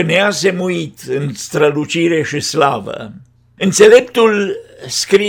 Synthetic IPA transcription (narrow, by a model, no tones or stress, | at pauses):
neasemuit̪ɨnst̪ɾəlut͡ʃiɾe̞ʃislavə̰ | ɨnt̪se̞le̞pt̪ulskɾi